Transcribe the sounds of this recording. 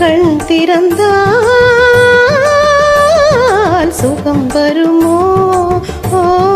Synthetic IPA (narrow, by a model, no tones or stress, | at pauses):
kɐɳt̪iɾɐnd̪a | lsukɐmbɐɾumoː | o